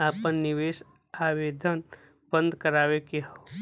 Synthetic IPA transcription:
aːpənːɪʋeːʃ | aːʋeːd̪ʱən | b̥ə̃nd̪ʱkəɾaːwekeɦo

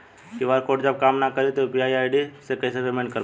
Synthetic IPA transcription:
kiʋaɾkoːʈd͡ʒɐb̚kaːmnakəɾit̪opiaːiaːɪɖisekɐsepemẽɳɖkəɾ

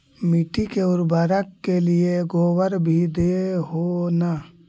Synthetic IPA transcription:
miʈikeʊɾbaːɾəkːelieɡoːwəɾbʱid̪eɦona

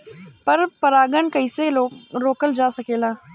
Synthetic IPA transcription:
pəɾpəɾaːɡənkəiseːloːkɾoːkəld͡ʒaːsəkeːlaː

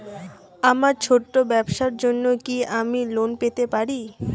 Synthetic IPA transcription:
amaɾt͡ɕʰoʈːobɛbʃaɾd͡ʑonːokiamilonpet̪epaɾi

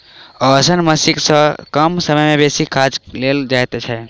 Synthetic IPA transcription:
ɔsənməsiksə̃kəmsəməjmebesikʰad͡ʒleld͡ʒajt̪t͡ʃʰɛ

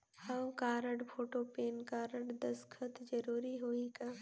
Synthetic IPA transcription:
hɐwkaːɾəɽpʰoːʈopeːnkaːɾəɽd̪ɐskʰət̪d͡ʒɐɾuːɾiɦoːikaː

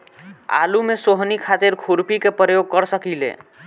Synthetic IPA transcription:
a̰lumesoɦnikʰat̪iɾkʰuɾpikepɾəjoɡ̚kəɾsəkilḛ

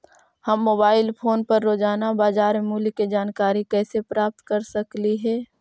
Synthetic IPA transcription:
hɐmːoːbaːɪlpʰoːnpəɾːoːd͡ʒaːnabaːzaːɾmemuːliked͡ʒaːnkaːɾikɛːsepɾaːp̚t̪kəɾsəkliɦɛː

